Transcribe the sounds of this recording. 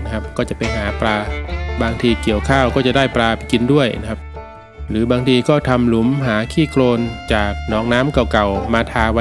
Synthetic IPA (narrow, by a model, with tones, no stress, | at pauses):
kʰa˦˥p̚kɔː˥˩t͡ɕa˨˩ʔpa˧jɦaː˩˦pɾaː˧baː˧ŋt̪ʰiː˧ki˨˩əwkʰaː˥˩wkɔː˥˩t͡ɕa˨˩daː˥˩jpɾaː˧pa˧jki˧ndu˥˩əjna˧˩kʰa˦˥p̚ | ɾɯː˩˦baː˧ŋt̪ʰiː˧kɔː˥˩t̪ʰa˧mlu˩˦mɦaː˩˦kʰiː˥˩kloː˧nt͡ɕaː˨˩k̚nɔː˨˩ŋnaː˦˥mka˨˩wka˨˩wmaː˧t̪ʰaː˧wa˦˥